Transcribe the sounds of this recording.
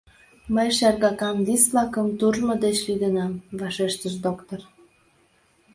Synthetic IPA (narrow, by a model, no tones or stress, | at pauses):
məjʃærɣɑkɑmvisβlɑkəmt̪uʒmŏd̪et͡ɕlid̪ənɑmvɑʃeʃt̪əʃd̪okt̪or